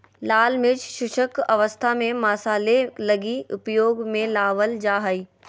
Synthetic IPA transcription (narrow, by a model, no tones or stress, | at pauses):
laːlmɪt͡ʃʃʊʃəkɐʋəst̪ʰamẽmaːsaːlelɐɡiʊpjoːɡmẽlaːʋəld͡ʒaːɦəiː